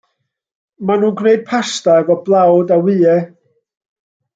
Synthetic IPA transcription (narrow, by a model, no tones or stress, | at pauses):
manuːnɡneɨd̥̚pʰastaɛvɔblˠawdawɨːɛ